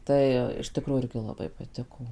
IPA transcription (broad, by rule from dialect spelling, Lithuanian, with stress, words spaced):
ˈtɐɪ ɪʃ tʲɪˈkruːjuː ˈɪrʲɡʲɪ lˠɐˈbɐɪ pɐˈtʲɪkoː